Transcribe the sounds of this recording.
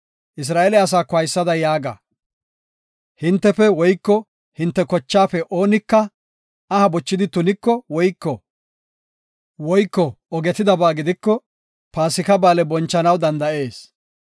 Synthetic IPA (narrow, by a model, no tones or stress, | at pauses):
ʔɪs̬ɾaːʔɛlɛɐs̬aːkɔɐjsːɐd̪ɐjaːɡa̰ | hɪnt̪ːɛfɛwɔjkːɔ | hɪnt̪ːɛkɔt͡ʃːaːfɛʔoːnɪkːɐ | ɐhɐbɔt͡ʃːɪd̪ɪt̪ʊnɪkːɔwɔjkːɔ | wɔjkːɔ | ɔɡɛt̪ɪd̪ɐbaːɡɪd̪ɪkːɔ | paːsɪkɐbaːlɛbɔnt͡ʃːɐnɐwd̪ɐnd̪ɐʔe̞ːs